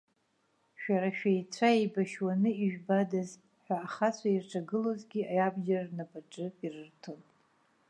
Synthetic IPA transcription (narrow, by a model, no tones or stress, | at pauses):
ʃᶣaɾaʃᶣajt͡sʷʰaebaʃwanɨiʒᶣbadaz | ħʷᶣaːχat͡ɕʷʰairʈ͡ʂʰaɡɨlozɡʲiajabʒarnapʰʼaʈ͡ʂʼɨirɨrtʰonpʼ